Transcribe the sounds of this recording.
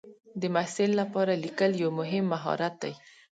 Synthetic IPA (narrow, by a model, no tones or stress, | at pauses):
d̪əmasɪlːapɑɾalikəljawmʊɦɪmːaɦɑ̰ɾat̪̚d̪a̰j